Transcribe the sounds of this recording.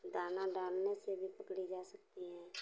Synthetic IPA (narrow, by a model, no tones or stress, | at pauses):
d̪ʱaːnaɖaːlnesebʱipəkɽid͡ʒaːsək̚tt̪iɦɛ̃ː